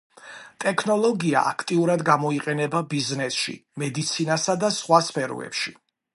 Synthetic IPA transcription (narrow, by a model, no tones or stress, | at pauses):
t̪ʼɛkʰnɔlˠɔɡia̰ʔa̰kʰt̪ʼiuɾad̪ɡamɔiqʼɛnɛbabiznɛsʃḭmɛd̪it̪sʰinasad̪asχwaspʰɛɾɔ̰ɛ̰pʃi